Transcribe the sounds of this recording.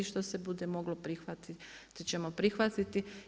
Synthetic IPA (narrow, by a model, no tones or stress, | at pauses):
iʃt̪o̞sebud̪e̞mo̞ɡlo̞pɾixʋat̪it̪it͡ɕemopɾixʋat̪it̪i